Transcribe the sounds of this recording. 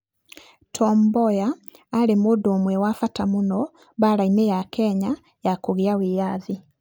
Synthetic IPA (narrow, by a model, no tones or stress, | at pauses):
tʰɔːmbojaːlemodoːmwewafatamuno | βaɾainejakʰɛɲa | jakoɣiawijaði